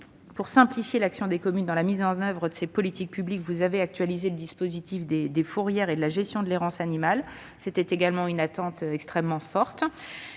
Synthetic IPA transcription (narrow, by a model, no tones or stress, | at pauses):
puʁsɛ̃plifjelaksjɔ̃d̪ekɔmynd̪ɑ̃lamizɑ̃nœvʁəd̪əsepɔlit̪ik̚pyblikvuzaveak̚t̪ɥalizeləd̪ispozit̪ifd̪ed̪efuʁjɛʁed̪əlaʒɛst̪jɔ̃d̪əleʁɑ̃sanimal | set̪ɛt̪eɡalmɑ̃ynat̪ɑ̃t̪ɛkst̪χɛmːɑ̃fɔʁt̪